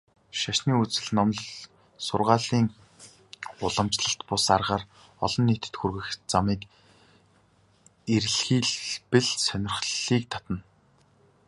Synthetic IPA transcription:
ʃaʃniːut͡sɘ̆ɮnɔmɮ | sʊrʁaːɮiːŋ | ʊɮə̆mt͡ɕɮə̆ɬt̪pʊsarʁaːr | ɔ̰ɮɞ̆nːiːt̪ɘ̥̆t̪xurɣɘ̆xt͡samiːk | eɾɮxiːɮpɘ̆ɮsœnʲɪ̆rxɮiːk̚t̪ʰat̪ə̆n

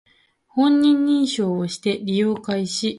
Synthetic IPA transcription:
hõ̞ɲ̟ːĩɲːĩɰ̃ɕo̞ːoɕi̥t̪e̞ɾʲijo̞ːkaiɕi

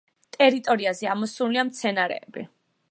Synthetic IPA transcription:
t̪ʼɛɾit̪ʼɔɾiazɛamɔsuɾliamt̪sʰɛnaɾɛ̰ːbḭ

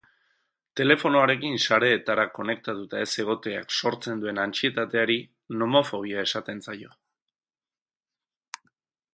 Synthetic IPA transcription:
t̪e̞le̞fo̞noaɾe̞kinsaɾe̞ːt̪aɾako̞ne̞k̚t̪at̪ut̪ae̞se̞ɣ̞o̞t̪e̞a̰kso̞ɾt͡se̞nd̪ue̞nant͡sie̞t̪at̪e̞aɾi | no̞mo̞fo̞ɣ̞iae̞sat̪e̞nt͡sajo̞

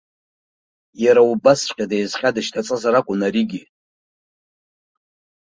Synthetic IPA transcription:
jaɾaubast͡ʃʷʼqʲʼadejzχʲʼadɨʃtʰat͡sʼɨzaɾakʷʼʊnaɾiɡʲi

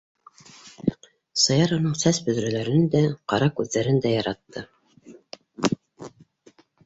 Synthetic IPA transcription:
sɤ̆jɑɾŏnɤɴsæsbɵ̆ðɾælæɾɘnd̪æqɑɾɑkʉðːæɾɘnd̪æjɑɾɑt̪ːɤ

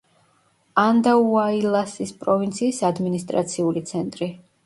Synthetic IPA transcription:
and̪auailˠasispʼɾɔvint̪sʰiːsad̪minist̪ʼɾa̰t̪sʰiulit̪sʰɛnt̪ʼɾi

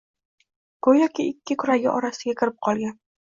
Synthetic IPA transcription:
kʰʊjɒkʲɪɪkʲːɪkʲʰʊɾaɡʲɪʔɒɾasɪɡʲakʲʰɪɾɪp̚qʰɒlˠɡʲan

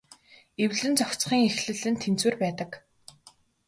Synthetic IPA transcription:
ewɮɘ̆nt͡sɔkʲt͡sχiːŋexɮɘ̆ɮɘ̆nt̪ʰːent͡swɘːrpæːt̪ə̆k

